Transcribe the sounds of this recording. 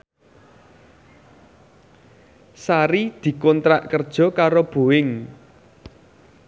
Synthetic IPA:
saɾid̪̥i̤kɔnt̪ɾaʔkərd̥ʒ̥ɔ̤kaɾob̥o̤wɪŋ

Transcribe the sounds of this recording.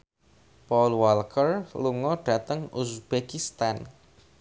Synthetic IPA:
pɔlwalkʰərluŋɔɖ̥ä̤t̪əŋusb̥ekist̪an

